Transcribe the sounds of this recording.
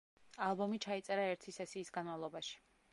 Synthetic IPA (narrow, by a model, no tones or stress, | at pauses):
alˠbɔmit͡ʃʰait̪sʼɛɾaɛɾt̪ʰisɛsiːsɡanmavlˠɔbaʃi̥